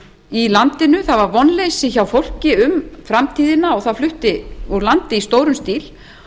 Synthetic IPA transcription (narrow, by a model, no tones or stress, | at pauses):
ilant̪ɪnʏθaðvaɾvɔnlejsɪçawfowl̥cɪʏmfɾamt̪ʰiːðɪnaɔɣθaðflʏht̪ɪuɾlant̪ɪist̪oːwɾʏmst̪iːl